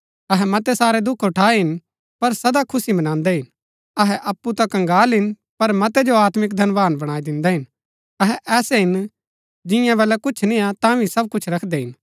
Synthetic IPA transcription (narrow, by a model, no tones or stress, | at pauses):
ɐɦɛmɐt̪ɛsaːɾɛd̪ʊkʰɦʊʈʰaːɛɦɪn | pɐɾsɐd̪akʰʊsimɐnãːnd̪ɛɦɪn | ɐɦɛʔɐpːut̪ãkɐ̃ŋɡaːlɦɪn | pɐɾmɐt̪ɛd͡ʒoaːt̪mɪkd̪ʱɐnʋaːnbɐɽ̃aːid̪ɪ̃nd̪ɛɦɪn | ɐɦɛʔɛːsɛɦɪn | d͡ʒɪ̃jãʋɛːlɛkʊt͡ʃʰnɪ̃jãt̪ãʋʱisɐb̚kʊt͡ʃʰɾɐkʰd̪ɛɦɪn